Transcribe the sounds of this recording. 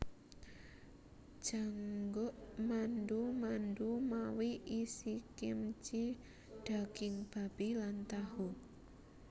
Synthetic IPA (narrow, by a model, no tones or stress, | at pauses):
d͡ʒ̥aŋɡɔʔmandumandumawiʔisikɪmt͡ʃi | ɖ̥a̤kɪŋb̥a̤b̥ilant̪ahu